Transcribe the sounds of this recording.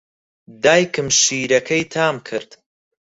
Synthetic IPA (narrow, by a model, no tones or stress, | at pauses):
d̪aːjkɨmʃiːɾɐkʰɐjt̪ʰaːmkʰɨɾd̪̥